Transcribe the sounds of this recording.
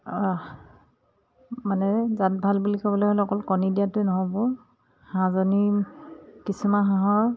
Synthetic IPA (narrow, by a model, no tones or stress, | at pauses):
manɛzat̚bʱalbulikɔbɔloholɛɔkɔlkɔnidiatʊnɔɦɔbɔ | hãzoni | kisumaɦãɦɔɹ